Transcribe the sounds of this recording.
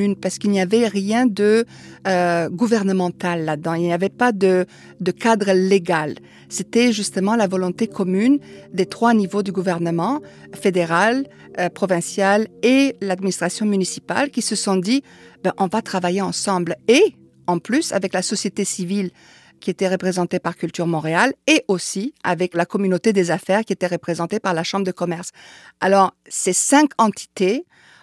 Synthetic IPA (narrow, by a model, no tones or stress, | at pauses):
ynpaʁsə̥kilniavɛʁjɛ̃d̪əøɡuvɛʁnəmɑ̃t̪alːad̪ɑ̃ilnijavɛpad̪ə | d̪əkad̪ʁəleɡal | set̪ɛʒyst̪əmɑ̃lavɔlɔ̃t̪ekɔmynd̪et̪χwanivod̪yɡuvɛʁnəmɑ̃fed̪eʁal | pχɔvɛ̃sjalelad̪minist̪χasjɔ̃mynisipa̰lkʲisəsɔ̃d̪i | bɛ̃ʔɔ̃vat̪χavajeɑ̃sɑ̃ble | ɑ̃plysa̰vɛklasɔsjet̪esivil | kʲiet̪ɛʁəpχezɑ̃t̪epaʁkʲylt̪yʁmɔ̃ʁealeʔosia̰vɛklakɔmynot̪ed̪ezafɛʁkʲiet̪ɛʁəpχezɑ̃t̪epaʁlaʃɑ̃bʁəd̪əkɔmɛʁsalɔʁ | sesɛ̃kɑ̃t̪i̥t̪e